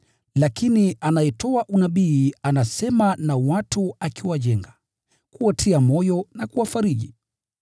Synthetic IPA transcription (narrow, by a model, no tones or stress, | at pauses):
lakiniʔanajɛtɔaʔunaɓiːanasɛmanawatuakiwaʄɛŋɡa | kuwatʰiamɔjɔnakuwafaɾiʄi